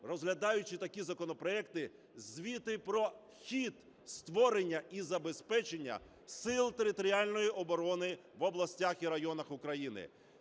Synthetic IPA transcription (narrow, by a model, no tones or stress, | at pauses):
rɔzɦlʲɐd̪ɑjʊt͡ʃɪt̪ɐkʲizɐkɔnɔpɾɔɛkt̪ɪ | zʲʋʲit̪ɪpɾɔ | xʲit̪ | st̪ʋɔɾenʲːɐʔizɐbe̞spɛt͡ʃenʲːɐ̰ | sɪlˠt̪eɾɪt̪ɔɾʲialʲnɔjiʔɔbɔɾɔnɪʋɔblˠɐsʲtʲaxiɾɐjɔnɐxʊkɾɐjinɪ̰